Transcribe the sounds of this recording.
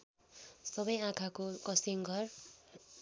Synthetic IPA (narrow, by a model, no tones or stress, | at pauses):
sʌbʌjãkʰakokʌsiŋɡʱʌr